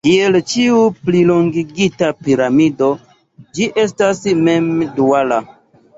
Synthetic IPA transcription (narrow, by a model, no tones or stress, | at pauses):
kielt͡ʃiupliloŋɡiɡitapiɾamido̞ | d͡ʒiʔe̞s̬tasme̞mduala